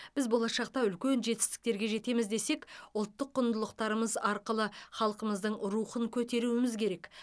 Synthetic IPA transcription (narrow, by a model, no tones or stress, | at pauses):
b̥ɪzbo̞lˠɑʃɑq̚t̪ɑʏlkʲe̞nʒe̞t̪ɪ̥st̪ɪ̥k̚t̪e̞ɾɡʲe̞ʒe̞t̪e̞mɪzd̪e̞se̞kʊlˠt̪ːəqːʊnd̪əlˠəq̚t̪ɑɾəməzɑɾqəlˠəχɑlˠəqəməzd̪əɴɾuχəŋkʲʰɵt̪e̞ɾuwɪmɪzkʲʰe̞ɾe̞k